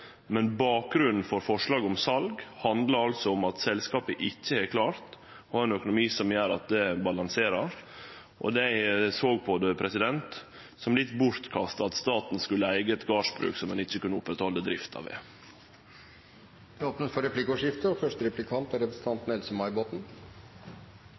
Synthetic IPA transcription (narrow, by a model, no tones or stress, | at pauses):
mɛnbɑːk̚ɡɾʉnn̩fɔɾfɔʂɭɑːɡɔmsɑlɡhɑnd̪ləɾɑlsɔɔmɑt̪sɛlskɑːpəʔɪçːəɛkʰlɑːɾt̪ | ɑɾɛnœkʊnʊmiːsɔmjøːɾɑt̪̚d̪ɛbɑlɑŋseːɾəɾ | ʔɔ̰d̪æɪsoːɡ̚pʰɔd̪ɛpʰɾɛsɪd̪ɛnt̪ | sɔmlɪt̪ːbʊɾt̪kʰɑst̪əɑt̪st̪ɑːt̪nskʉlːəæɪɡəɛt̪ɡɑːʂbɾʉ̰ːksɔmɛnɪçːəkʉnːəʊpːɾɛt̪hɔlːəd̪ɾɪft̪ʰɑ̰ʋɛ̰ | d̪ɛoːpnət̪fɔɾɛplɪkʊʂjɪft̪əɔfœʂtəɾɛplɪkʰɑnt̪ɑɾɛpɾəsn̩t̪ʰɑnt̪nɛlsəmɑɪboːt̪n̩